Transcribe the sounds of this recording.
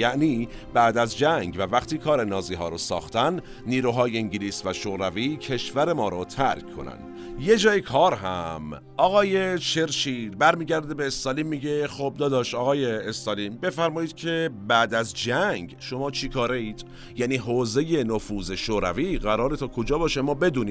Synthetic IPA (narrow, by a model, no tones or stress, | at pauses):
jæʔniː | b̥æʔd̪æzd͡ʒæŋɡvævæxt̪iːkʰɒːɾe̞nɒːziːɦɒːɾɔːsɒ̰ːxt̪ænː | iːɾuːɦɒːjeiŋɟiliːsvæʃoːɾæviːcʰe̞ʃvæɾe̞mɒːɾɔːt̪ʰæɾkʰkʰːo̞̰næ̰nd̪̥ | je̞d͡ʒɒːjekʰɒːɾɦæ̰m | ʔɒːɣɒːje̞ʃʰeɾʃiːd̪bæɾmiːɟæɾd̪ebeːst̪ɒːliːmːiːɟexob̚d̪ɒːd̪ɒːʃɒːɣɒːje̞ːst̪ɒːliːmbe̞fæɾmɒːjiːd̪̥cʰe̞bæːd̪æzd͡ʒæŋɡʃo̞mɒːt͡ʃʰikʰɒːɾeiːd̪̥ | jæniːɦoːze̞jenofuːze̞ʃoːɾæviːɣæɾɒːɾet̪ʰɒːkʰod͡ʒɒːbɒːʃemɒːbe̞d̪uːniː